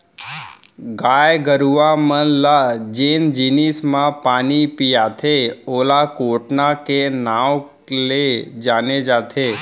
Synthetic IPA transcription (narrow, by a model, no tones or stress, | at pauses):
ɡajɡəɾuʋamənlad͡ʒend͡ʒinismãpaːnipijat̪ʰeolakoʈnakenãw | led͡ʒaned͡ʒat̪ʰe